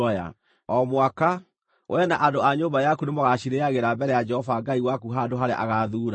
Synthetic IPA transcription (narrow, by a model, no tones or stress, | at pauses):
ɔja̰ | ɔmwaka | wʔɛnaʔadoaɲoːmbajakunemɔɣaʃiɾeaɣeɾabɛɾɛjad͡ʒɛhɔvaɡaiwakuɦandoɦaɾeʔa̰ɣaðuːɾa